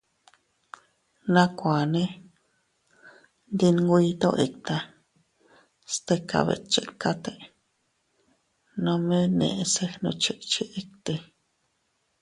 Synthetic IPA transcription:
nã˦kʷa˨nẽ˦ | nd̪i˧nŋɡʷi˧t̪õ̰˦ʔe˨k̚t̪a˧ | st̪e˦ka̰˨βḛ˨t͡ʃe˨ka˦t̪e˦ | nõ˧mẽ˦nḛ̃˨ʔse˦nõ˧t͡ʃe˧ʔt͡ʃi˦ʔe˦k̚t̪e˧

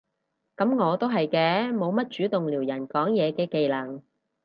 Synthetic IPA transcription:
kɐ˨˥mŋɔː˨˧t̪o˥wɦɐ˨jkɛː˧mo˨˧wmɐ˥t̚t͡ʃyː˨˥t̪ʊ˨ŋliː˨˩wjɐ˨˩nkɔː˨˥ŋjɛː˨˧kɛː˧ke˨jlɐ˨˩ŋ

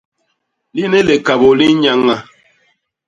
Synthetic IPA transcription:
li˦ne˦le˨ka˨bo˨li˦ɲa˦ŋːa˦

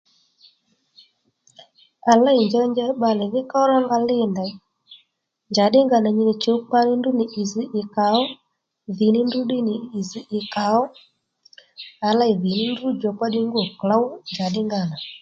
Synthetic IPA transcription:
a˨la˦i˨ɲd͡ʒɔ˦ɲd͡ʒɛ˦ɓa˨lɛ˨ðɪ˦ka˦ɔ˦ɾa˦ŋɡa˧lɪ˦˨nda˨˦ | ɲd͡ʒa˨ɗɪ˦ŋɡa˨na˨ɲi˨ni˨t͡ʃi˨u˦k͡pa˦ni˦ndu˦ni˨ʔi˨zi˨ʔɪ˨ka˨ɔ˦ | ði˨ni˦ndu˦ɗi˦niː˨zi˨ʔɪ˨ka˨ɔ˦ | a˨la˦i˨ði˨ni˦n˦du˦d͡ʒɔ˨kwa˦ɗi˦ŋɡu˦ɔ˨kla˦wɲd͡ʒa˨ɗɪ˦ŋɡa˦˨na˨

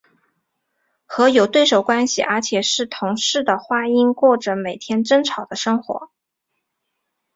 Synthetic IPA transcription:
xɤ˧˥jo˨˩ʊt̪we˥˩ɪʂo˨˩ʊkwa˥nɕḭ˨˩ʔə˞˧˥t͡ɕʰjɛ˨˩ʂɻ̩˥˩t̪ʰʊ˧˥ŋʂɻ̩˥˩d̪ə˩xwa˥i˥nkwɔ˥˩ʈ͡ʂə˩me˨˩ɪt̪ʰjɛ˥nʈ͡ʂə˥ŋʈ͡ʂʰɑ˨˩ʊd̪ə˦ʂɤ˥ŋxwɔ̰˧˥

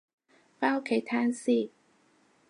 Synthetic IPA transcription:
faː˥o˥kʰe˨˥jt̪ʰaː˥nsiː˥˩

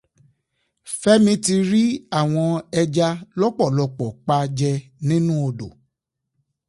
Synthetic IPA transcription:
fɛ˦mĩ˧˦ti˧ɾi˦a˦˨w̃ɔ̃˧ɛ˧d͡ʒa˧lɔ˦k͡pɔ˦˨lɔ˧k͡pɔ˨k͡pa˦d͡ʒɛ˧nĩ˦nũ˦o˧do̰˨

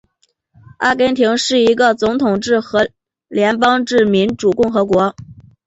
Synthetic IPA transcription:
a̰˥˩kɛ˥nt̪ʰi˧˥ŋʂɻ̩˥˩i˧˥ɡə˧˨t͡sʊ˧˥ŋt̪ʰʊ˨˩ŋʈ͡ʂɻ̩˥˩xɤ˧˥ | ljɛ˧˥npɑ˥ŋʈ͡ʂɻ̩˥˩mi˧˥nʈ͡ʂu˨˩kʊ˥˩ŋxɤ˧˥kwɔ˧˥

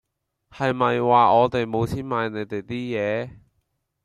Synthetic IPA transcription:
hɐ˨jmɐ˨jwaː˨ɔː˨˧t̪e˨jmo˨˧wt͡sʰiː˥nmaː˨˧jne˨˧jt̪e˨jt̪iː˥jɛː˨˧

